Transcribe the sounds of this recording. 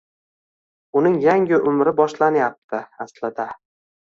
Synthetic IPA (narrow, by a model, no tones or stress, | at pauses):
ʊnɪŋjaŋɪʔʊmɾɪbɒʃlanjap̚t̪ʰɪaslɪd̪a